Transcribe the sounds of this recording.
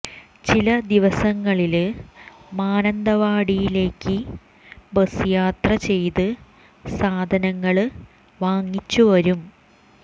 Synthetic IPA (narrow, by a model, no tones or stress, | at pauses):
t͡ɕilɐd̪iʋɐsɐŋːɐɭil | maːnɐnd̪ɐʋaːɽijile̞ːkːɨ | bɐsujaːt̪rɐt͡ɕe̞jt̪ɨ | saːd̪ʱɐnɐŋːɐɭɨ | ʋaːŋːit͡ɕːuʋɐɾum